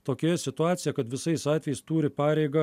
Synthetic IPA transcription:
t̪oːkʲejɛsʲɪt̪ʊɑːt̪sʲɪjɛkɐt̪ʋʲɪsɐɪsɑːt̪ʲʋʲɛjɛɪst̪uːɾʲɪpɑːɾʲɛɪɡɐ

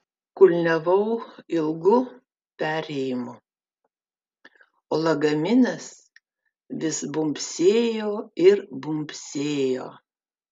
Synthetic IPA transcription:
kʊlʲnʲɛʋɐʊɪlˠɡʊ | pʲæːɾʲɛjɪmʊ | olˠɐɡɐmʲɪnʲɐs | ʋʲɪsbʊmʲpʲsʲeːjoːɪɾbʊmʲpʲsʲeːjo̰ː

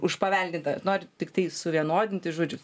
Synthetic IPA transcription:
ʊʃpɐʋʲɛlʲdʲɪnt̪ɐnoːɾʲɪt̪ʲɪkt̪ɐɪsʊʋʲiɛnoːd̪ʲɪnʲt̪ʲɪʒuːd͡ʒʲʊ

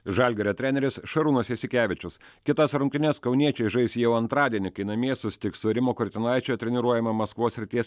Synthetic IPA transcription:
ʒɐlʲɡʲɛɾʲɛt̪ʲɾʲæːnʲɛɾʲɪsʃɐɾuːnɐsʲjɛsʲɪkʲæːʋʲɪt͡ʃʲʊs | kʲɪt̪ɐsɾʊŋʲkʲtʲɪnʲɛskɐʊnʲiɛt͡ʃʲɛɪʒɐɪsʲjɛʊɐnt̪ɾɑːd̪ʲiɛnʲɪkɐɪnɐmʲiɛsʊsʲɪt̪ʲɪksʊɾʲɪmoːkɔɾʲt̪ʲɪnɐˑɪt͡ʃʲoːt̪ʲɾʲɛnʲɪɾuɔjɛmɐmɐskʋoːsʲɾʲɪt̪ʲiɛs

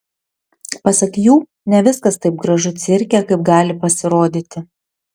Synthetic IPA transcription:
pɐsɐkʲjuː | nʲɛʋʲɪskɐst̪ɐɪp̚ɡɾɐʒʊt̪sʲɪɾʲkʲɛkɐɪp̚ɡɑːlʲɪpɐsʲɪɾoːd̪ʲiːt̪ʲɪ

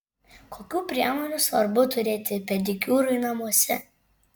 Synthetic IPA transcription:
koːkʲuːpʲɾʲiɛmoːnʲusʋɐɾbʊt̪ʊɾʲeːt̪ʲɪpʲɛd̪ʲɪkʲuːɾʊɪnɐmuɔsʲɛ

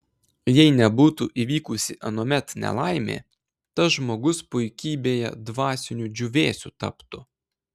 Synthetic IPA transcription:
jɛɪnʲɛbuːt̪uʔiʋʲiːkʊsʲɪʔɐnoːmʲɛt̪nʲɛ̰lˠɑɪmʲḛː | t̪ɐʒmoːɡʊspʊɪkʲiːbʲeːjɛ̰d̪ʋɑːsʲɪnʲud͡ʒʲʊʋʲeːsʲṵːt̪ɐ̰pt̪ʊ

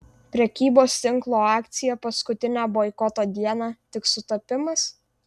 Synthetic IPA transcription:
pʲɾʲɛkʲiːboːst̪ʲɪŋklˠoːɑːkt̪sʲɪjɛpɐskʊt̪ʲɪnʲæːboɪkɔt̪oːd̪ʲiɛnɑt̪ʲɪksʊt̪ɐpʲɪmɐs

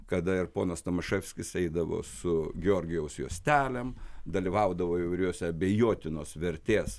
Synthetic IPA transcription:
kɐd̪ɐɪrpoːnɐst̪ɐmɐʃɛfʲsʲkʲɪsɛɪd̪ɐʋo̰ːsʊɡʲɛoːɾʲɡʲɪjɛʊsjoːsʲt̪ʲæːlʲɛmd̪ɐlʲiʋɐʊd̪ɐʋoːiʋɐɪɾʲoːsʲɛɐbʲɛjoːt̪ʲɪnoːsʋʲɛɾʲt̪ʲeːs

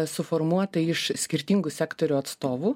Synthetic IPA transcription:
sʊfɔɾmuɔt̪ɐɪʃsʲkʲɪɾʲt̪ʲiŋɡʊsʲæːkt̪ɔɾʲuːɐt̪st̪oːʋuː

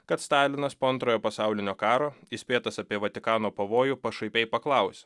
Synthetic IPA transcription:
kɐt̪st̪ɑːlʲɪnɐspoːɐnt̪ɾoːjoːpɐsɑˑʊlʲɪnʲoːkɑːɾoːisʲpʲeːt̪ɐsɐpʲiɛʋɐt̪ʲɪkɑːnoːpɐʋoːjuːpɐʃɐɪpʲɛɪpɐklˠɑˑʊsʲ

